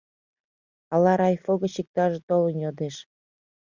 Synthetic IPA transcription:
ɑlɑɾɑjfoɣɤ̆ɕik̚t̪ɑʒĕt̪olə̆njod̪eʃ

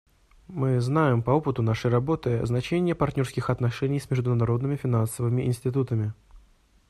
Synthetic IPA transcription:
mɨznajɪmpɐo̞pɨt̪ʊnaʂəjrɐbo̞t̪ɨɐ̰znɐt͡ɕenʲɪjəpɐrt̪ʲnʲo̞rskʲɪxɐt̪nɐʂɛnʲɪjsmʲɪʐd̪ʊnɐɾo̞d̪nɨmʲɪfʲɪnansəvɨmʲɪʔɪ̰nsʲtʲɪt̪ut̪əmʲɪ

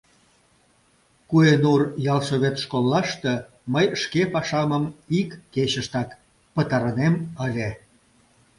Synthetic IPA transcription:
kuenurjɑlʃoβet̪ʃkolːɑʃt̪e | məjʃkepɑʃɑməmikːet͡ɕəʃt̪ɑk | pət̪ɑɾəneməlʲe

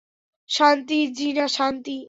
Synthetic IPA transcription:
ʃant̪id͡ʑinaʃant̪i

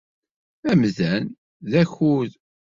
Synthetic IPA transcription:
æmðæn | ðæçuð

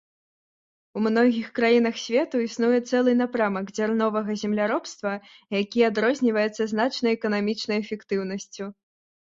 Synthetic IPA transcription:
umnɔɣʲixkɾajinɐxsʲvʲɛt̪uisnujɛt̪sɛlˠɨnapɾamɐɡzʲarnɔvɐɣɐzʲɛmlʲaɾɔpst̪vɐjakʲiad̪ɾɔzʲnʲivɐjɛt̪sɐzn̪at͡ʂnɐjɛkɐnamʲit͡ʂnɐjɛfʲɛkt̪ɨwn̪ɐsʲt͡sʲu

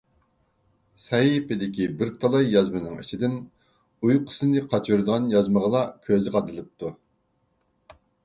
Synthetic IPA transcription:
sɑipɪd̪ɪkʲibɪɾt̪ʰɑlˠɑjːɑzmɨnɨŋḭt͡ʃʰid̪ɪn | ujqʰə̥sɨnɨqʰɑt͡ʃʰuɾd̪əʁɑnjɑzməʁəlˠɑkʲʰøzɪʁɑd̪ɨlˠɨp̚t̪ʰu

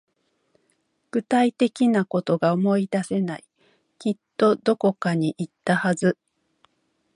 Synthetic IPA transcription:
ɡ̥ɯ̟t̪ait̪e̞kʲinako̞t̪o̞ɡaomo̞id̪ase̞nai | kʲit̪ːo̞d̪o̞ko̞kaɲ̟iʔit̪ːahazɨ

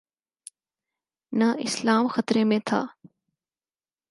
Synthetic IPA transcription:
nəɪslaːmxət̪ɾeːmẽːt̪ʰa̰ː

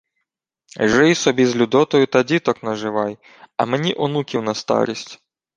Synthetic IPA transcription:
ʒɪjsɔbʲizlʲud̪ɔt̪ɔjʊt̪ɐdʲit̪ɔknɐʒɪʋɑj | ɐ̰menʲiʔʊnukʲiwnɐst̪ɑ̰ɾʲisʲtʲ

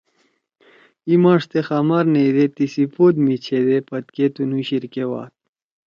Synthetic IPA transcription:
imaːʂt̪examaɾned̪et̪isipoːd̪mit͡ɕʰed̪epɐt̪ket̪unuɕiɾkewa̰ːt̪̚

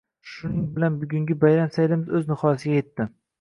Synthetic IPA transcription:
ʃʊnɪŋbɪlanbʊɡʲʊŋɡʲɪbajɾamsajlɪmɪzɵznɪχɒjsɪɡʲajet̪ːɪ

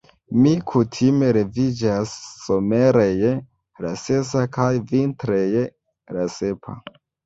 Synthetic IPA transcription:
mikʰutʰime̞ɾe̞vid͡ʒasːo̞me̞ɾej | lase̞sakʰajvintɾej | lase̞pʰa̰

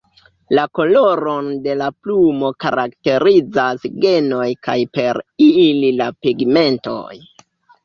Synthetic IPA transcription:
lako̞lo̞ɾonde̞laplumo̞ka̰ɾʔakte̞ɾid͡zasɡe̞no̞jkajpe̞ɾililapiɡme̞nto̰j

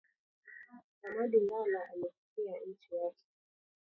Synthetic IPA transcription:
namaɗiŋɡalaalɛfu̥kian̩t͡ʃijakɛ̥

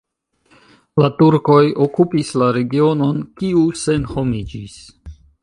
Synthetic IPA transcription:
latuɾko̞jo̞kupislaɾe̞ɡio̞no̞nkiuse̞nho̞mid͡ʒis

